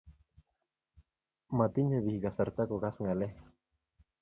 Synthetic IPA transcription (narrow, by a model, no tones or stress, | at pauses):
mat̪inheβihiɡasaɾt̪akoɣasŋale